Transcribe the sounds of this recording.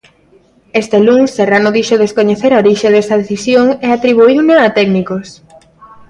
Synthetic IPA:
est̪eluŋsːeranoðiʃoðeskoɲeθeɾaoɾiʃeðesɐð̞eθisjoŋeat̪ɾiβ̞uiwneat̪ɛɡnikos

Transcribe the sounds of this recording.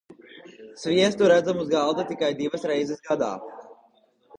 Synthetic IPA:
sviɛst̪uɾæd̪zɐmuzɡalˠd̪ɐt̪ikajd̪iʋɐsɾɛjzɛsɡad̪a̰ː

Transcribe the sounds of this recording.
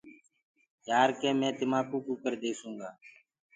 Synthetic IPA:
jaːɾkẽːmẽːd̪ɪmaːkuːkuːkəɾd̪eːsũːŋɡaː

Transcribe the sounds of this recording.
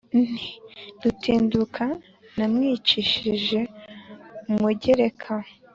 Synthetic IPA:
nn̥idutʰiːndukʰa | namŋiːt͡ʃiʃiʒe̞ | umuɟeɾekʰa

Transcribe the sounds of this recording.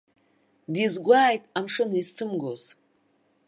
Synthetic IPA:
dizɡʷaːjtʼamʂɨnistʰɨmɡoz

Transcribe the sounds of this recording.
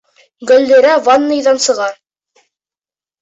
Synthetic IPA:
ɡɵ̆ld̪ɘ̆ɾævanːɤ̆jðɑnsɤ̆ʁɑ

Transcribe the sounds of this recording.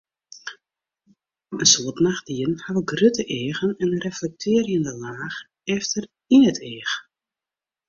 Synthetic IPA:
ənsoətnaxd̥iənhaʋəɡrøtəʔeːɣənɛnrɛflɛk̚tʰɪərjəndəlaːx | ɛftər | inətʰeːx

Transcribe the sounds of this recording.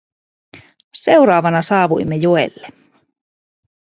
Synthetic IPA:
sewɾɑːʋɑnɑsɑːʋṵjmːejoḛlːe

